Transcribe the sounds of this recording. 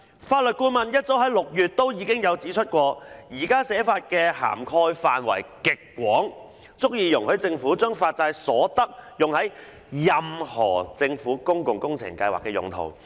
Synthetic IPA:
faː˧t̚lɵ˨t̚kuː˧mɐ˨njɐ˥t̚t͡so˨˥wɦɐ˨˥jlʊ˨k̚jyː˨˩t̚t̪o˥wjiː˨˧kɪ˥ŋjɐ˨˧wt͡siː˨˥t͡ʃʰɵ˥t̚kʷɔː˧jiː˨˩kaː˥sɛː˨˥faː˧t̚kɛː˧ha̰ː˨˩mkʰɔː˧jfaː˨nwɐ̰˨˩jkɪ˨kːwɔː˨˥ŋ | t͡sʊ˥k̚jiː˧jʊ˨˩ŋhɵ˨˥t͡sɪ˧ŋfuː˨˥t͡ʃœː˥ŋfaː˧t̚t͡saː˧jsɔː˨˥t̪ɐ˥k̚jʊ˨ŋhɐ˨˥j | jɐ˨˧mhɔ̰ː˨˩t͡sɪ˧ŋfuː˨˥kʊ˥ŋkʊ˨ŋkʊ˥ŋt͡sʰɪ̰˨˩ŋkɐ˧jwa̰ː˨˩kːɛː˧jʊ̰˨˩ŋt̪ʰo̰˨˩w

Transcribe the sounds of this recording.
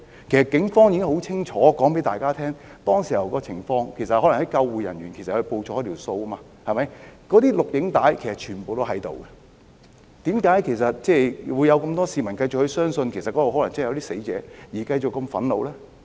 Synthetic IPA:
kʰe˨˩sɐ˨t̚kɪ˨˥ŋfɔː˥ŋji˧kɪ˥ŋho˨˥wt͡sʰɪ˥ŋt͡ʃʰɔː˨˥kɔː˨˥ŋpe˨˥jt̪aː˨jkaː˥t̪ʰɛː˥ŋt̪ɔː˥ŋsiː˨˩jɐ˨˩wkɔː˧t͡sʰɪ˨˩ŋfɔː˧ŋkʰe˨˩jsɐ˨t̚ɦɔː˨˥lɐ˨˩ŋhɐ˨˦jkɐ˧wːuː˨˩jɐ̰˨˩njyː˨˩nkʰe˨˩sɐ˨thɵ˧ɥpo˧wt͡ʃʰɔː˨˥jt̪ʰi˨˩wso˧wɐ˥maː˧ | hɐ˨jmɐ˨˦jkɔː˨˥t̪iː˥lʊ˨k̚jɪ˨˥ŋt̪aː˨˥jkʰe˨˩sɐ˨˩t̚t͡ʃʰyː˨˩npo˨wt̪o˥ɦɐ˨˥jt̪o˨wkɛ˧ | t̪iː˨˥mkaː˨˥jkʰe˨˩jsɐ˨t̚t͡sɛː˥˩wu˨˧jɐ˨˧wkɐ˧mt̪ɔː˥siː˨˧mɐ˨˩nkɐ˧jt͡ɕʊ˨k̚hɵ˧ɥsœː˥ŋsɵ˧nkʰe˨˩jsɐ˨t̚kɔː˨˦˥wɦɔ˨˥lɐ˨˩ŋt͡sːjɐ˧wt̪iː˥se˨˥jt͡sɛ̰ː˨˥jiː˨˩kɐ˧jt͡ʃʊ˨kːɐ˧mfɐ˨˥nlo̰˨˧wlɛː˥

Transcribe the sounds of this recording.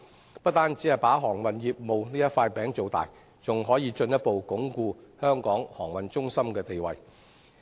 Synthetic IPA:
pɐ˥t̚t̪aː˥nt͡si˨˥hɐ˨˩jpaː˨˥ɦɔː˨˩ŋwɐ˨˩njiː˨p̚mo˨wniː˥jɐ˥t̚faː˧jpɛː˨˥ŋt͡so˨˧wt̪a̰ː˨j | t͡sʊ˨ŋɦɔː˨˥jiː˧t͡sɵ˧njɐ˥t̚po˨wkʊ˨˥ŋkuː˧hœː˥ŋkɔː˨˥ŋhɔː˨˩ŋwɐ˨nt͡sʊ˥ŋsɐ˥mkɛː˧t̪e˨jwɐ̰˨j

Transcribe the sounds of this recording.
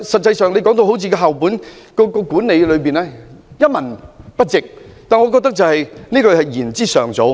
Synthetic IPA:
sɐ˨t̚t͡sɐ˧jsœː˨ŋle˨˧jkɔː˨˥ŋt̪o˧who˨˥wt͡sʰiː˧kɔː˧ɦɐ˨wpuː˨˥nkɔː˧kɔː˧kuː˨˥nne˨˧jlɵ˨˧ɥpiː˨nɛː˥jɐ˥t̚mɐ˨˩npɐ˥t̚t͡sɪ˨k̚t̪aː˨˩nŋɔː˨˧kɔː˧t̪ɐ˥k̚t͡sɐ˨whɐ˨jniː˥kø˧hɐ˨jjiː˨˩nt͡siː˥sœː˨ŋt͡so˨˧w

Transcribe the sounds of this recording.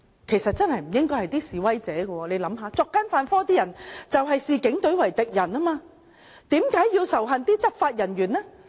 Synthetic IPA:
kʰe˨˩sɐ˨t̚t͡sɐ˥nhɐ˨jm̩˨˩jɪ˥ŋkɔː˥jhɐ˨˩jt̪iː˥siː˨wɐ˥jt͡sɛː˨˥ɡɐ˧wɔː˧le˨˧jlɐ˨˥mɦaː˨˧t͡sɔː˧kːa˥nfaː˧nfɔː˥t̪iː˥jɐ˨˩nt͡sɐ˨wɦɐ˨jsiː˨˧kɪ˨˥ŋt̪ɵ˨˥ɥwɐ˨˩jt̪ɪ˨k̚jɐ˨˩naː˥maː˧ | t̪iː˨˥mkaː˨˥jːiː˧wsɐ˨˩wɦɐ˨nt̪iː˥t͡sɐ˥p̚faː˧t̚jɐ˨˩nɥyː˨˩nlɛ˥

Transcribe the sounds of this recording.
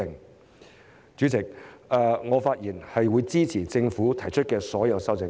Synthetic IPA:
ɪ˨ŋ | t͡ʃyː˨˥t͡sɪ˨˩k̚ɛ˧ŋɔː˨˧faː˧t̚jiː˨˩nhɐ˨jwuː˨˧jt͡siː˥t͡sʰiː˨˩t͡sɪ˧ŋfuː˨˥t̪ʰɐ˨˩jt͡ʃʰɵ˥t̚kɛː˧sɔː˨˥jɐ˨˧wsɐ˥wt͡sɪ˨˧˥

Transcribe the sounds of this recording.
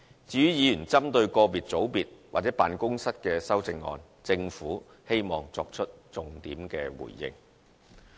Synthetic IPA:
t͡syː˨˥y˥jiː˨˧jyː˨˩nt͡sɐ˥mt̪ɵ˧ɥkɔː˧piː˨t̚t͡so˨˥wpiː˨t̚waː˨˩t͡sɛ˨˥pa̰ː˨nkʊ˥ŋsɐ˥t̚kɛː˧sɐ˥wt͡sɪ˧ŋːɔ̰ː˧n | t͡sɪ˧ŋfuː˨˥ | he˥jmɔː˨ŋt͡sɔː˧k̚t͡ʃʰɵ˥t̚t͡sʊ˨ŋt̪iː˨˥mkɛː˧wṵː˨˩jjɪ̰˨˧ŋ

